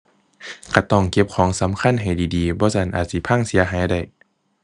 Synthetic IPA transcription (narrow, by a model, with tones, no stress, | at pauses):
kʰa˧˩t̪ɔː˧˩ŋke˧˥p̚kʰɔː˨˦ŋsa˨˦mkʰa˧˥˨nɦa˨˩jdiː˨˩diː˨bɔː˧˦sa˧˩nʔaː˨˩t̪̚si˧˦pʰa˧˥˨ŋsi˨˦ɐɦaː˨˦jda˧˩j